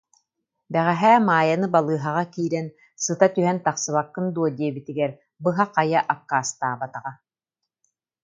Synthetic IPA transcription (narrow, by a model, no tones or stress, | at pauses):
bɛʁɛɦæːmaːjanɯbalˠɯːɦaʁakiːɾɛn | sɯt̪at̪yɦɛnt̪aqsɯβakːɯnd̪uɔd̪iɛbit̪iɡɛɾ | bɯɦaqajaʔakːaːst̪aːbat̪aʁa